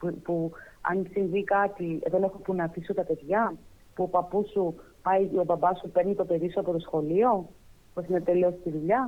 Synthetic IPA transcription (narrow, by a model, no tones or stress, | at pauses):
pupuɐ̰nsiɱvikɐt̪iḛðonexopunɐfisot̪ɐpe̞ðʝɐ | puopɐpusu | pɐjo̞bɐbɐsupe̞ɾnit̪o̞pe̞ɾisuɐpo̞t̪o̞sxo̞lio̞puesinet̪e̞liost̪iðuʎɐ